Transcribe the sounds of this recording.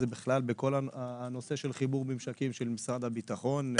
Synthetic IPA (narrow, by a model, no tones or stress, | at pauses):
zebiχlalbeko̞laano̞se̞ʃelχibuʁmimʃakimʃelmisʁad̪habit̪aχo̞n